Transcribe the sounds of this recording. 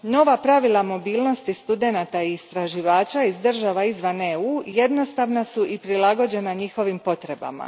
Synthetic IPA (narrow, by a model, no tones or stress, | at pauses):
no̞ʋapɾaʋilˠamo̞biːlˠno̞st̪ist̪ud̪e̞nat̪aiːst̪ɾaʒiʋaːt͡ʃaizd̪r̩ʒaʋaizʋaneuːje̞d̪no̞st̪aʋnasuʔipɾilˠaɡo̞d͡ʑe̞naɲixo̞ʋimpo̞t̪ɾe̞ba̰ma̰